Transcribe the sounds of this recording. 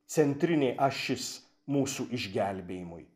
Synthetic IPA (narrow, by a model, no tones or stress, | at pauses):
t̪sʲɛnʲt̪ʲɾʲɪnʲeːʔɐʃʲɪs | muːsuːʔɪʒʲɡʲælʲbʲeːjɪmʊɪ